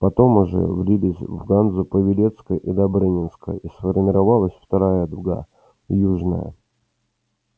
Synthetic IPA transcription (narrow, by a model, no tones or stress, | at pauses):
pɐt̪o̞mʊʐɛ̰vɾʲilʲɪsʲvɡanzʊpəvʲɪlʲet̪skəjʔid̪abɾɨnʲɪnskə̰jisfərmʲɪɾɐvalˠəsʲft̪ɐɾajəd̪ʊɡa̰ | juʐnə̰jə̰